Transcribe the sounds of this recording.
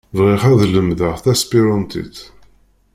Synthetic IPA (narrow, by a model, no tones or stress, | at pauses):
vʁɪχæðləmðəʁθæspiɾɑnt̪ḭθ